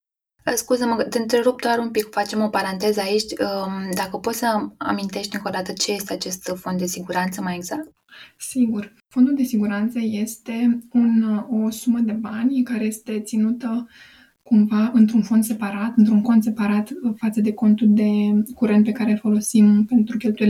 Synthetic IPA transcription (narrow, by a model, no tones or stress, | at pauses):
əskuzəmət̪eɨnt̪ɾeɾup̚d̪oaɾumpikfat͡ʃe̞mo̞paɾant̪e̞zəait͡ʃʲd̪akəpo̞t̪səa̰mint̪e̞ʃt̪ʲiŋko̞d̪at̪ət͡ʃe̞je̞st̪e̞at͡ʃe̞st̪fo̞nd̪d̪e̞siɡuɾant̪səmaje̞ɡz̥ak̚t̪ | siɡur | fo̞nd̪uld̪e̞siɡuɾant̪səje̞st̪e̞uno̞suməd̪e̞banʲkaɾe̞je̞st̪e̞t̪sinut̪ə | kumvaɨnt̪ɾunfo̞nd̪se̞paɾat̪ɨnt̪ɾunko̞nd̪se̞paɾat̪fat̪səd̪e̞ko̞nt̪uld̪e̞kuɾe̞nt̪̚pe̞kaɾelfo̞lo̞simpe̞nt̪ɾukʲe̞lt̪uje